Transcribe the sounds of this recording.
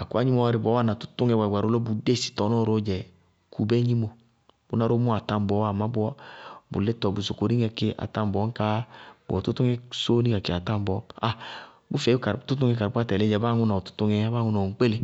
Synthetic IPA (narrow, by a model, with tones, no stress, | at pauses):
a˨ku˦a˦ɲi˦mɔ˦a˧ɾi˧˨bɔ˨˦a˦na˨tu̥˦tu˦ŋɛ˧wa˨ɡʷa˨ɾo˧˦lo˦bu˨de˦˨si̥˨tɔ˨nɔ˦˨ɾo˦d͡ʒɛ˨ | kʰu˨bɛ˦ɲi˦mo˧˨ | bu˦na˧ɾo˦mu˦a˨ta˧m˨bɔ˨˦a˨ma˦bu˦ɔ˦bṵ˨le˦tɔ˨bu˨so˨ko˨ɾi˦ŋɛ˧ke˦ʔa̰˨ta˧m˨bɔ˨˦ŋ̩˦ka˦bɔ˨tu˦tu˦ŋɛ˦so˦ni˦ɡa˨ki˨a˨ta˦m˦bɔ˨˦a˨ | bu˦fɛ˨˦ka˨ɾtu˦tu˦ŋɛ˧ka˨ɾpʷa˦˧tɛ˨le˦d͡ʒɛ˨baː˦ŋu˧nɔ˨tu̥˦tu˧˦ŋɛ˧˦ba˦ŋu˧nɔ˨ŋ̩˨˦k͡pe˦le˧˦